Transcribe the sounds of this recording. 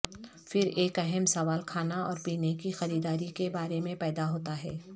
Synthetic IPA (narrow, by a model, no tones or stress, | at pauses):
fɪɾeːkɛɦɛmsɐʋaːlkʰaːnaɔːɾpiːnekixɐɾiːd̪aːɾikebaːɾemẽpɛːd̪aɦoːt̪aɦɛː